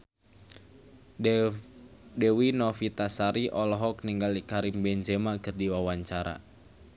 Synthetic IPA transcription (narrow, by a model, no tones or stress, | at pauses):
dɛwinɔfit̪asaɾiʔɔlɔɦɔk̚niŋɡalikaɾimbɛnd͡ʒɛmakɨrdiwawaɲt͡ʃaɾa̰